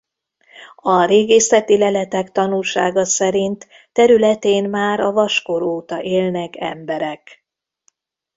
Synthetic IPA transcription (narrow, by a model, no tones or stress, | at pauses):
ɒɾeːɡeːsɛt̪ilɛlɛt̪ɛkt̪ɒnulʃaːɡɒsɛɾint̪ː | ɛɾylɛt̪eːnmaːɾɒvɒʃkoɾoːt̪ɒʔeːlnɛkɛ̰mbɛɾɛk